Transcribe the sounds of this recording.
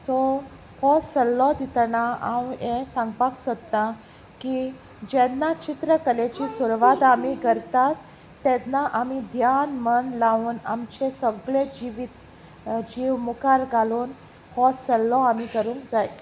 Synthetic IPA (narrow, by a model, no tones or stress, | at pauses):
sɔ | hɔsəlːɔd̪it̪ɳaa̰wẽsãŋɡpaksət̪na | ki | d͡ʑɛnːat͡ɕit̪ɾəkəlet͡ɕisuɾʋad̪amikəɾt̪at̪ː | ɛnaʔamid̪ʱjanmənlauːna̰mt͡ɕesəbɡɭed͡ʑiʋit̪ | d͡ʑiʋmukaɾɡaluːn | hɔsəlːɔamikəɾũːŋkd͡zaj